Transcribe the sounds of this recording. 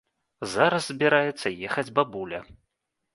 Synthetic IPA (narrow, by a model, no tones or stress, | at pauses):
zaɾɐszbʲɛɾajɛt̪sːɐjɛxɐd͡zʲbabulʲɐ̰